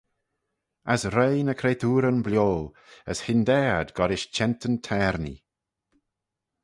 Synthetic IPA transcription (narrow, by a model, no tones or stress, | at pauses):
asɾejnəkʰɾeːtʰuːɾənblʲjoːl | əshɪnd̪ɛːd̪ɡɔɾɪʃt͡ʃʰɛntʰəntʰɛːɾnḭ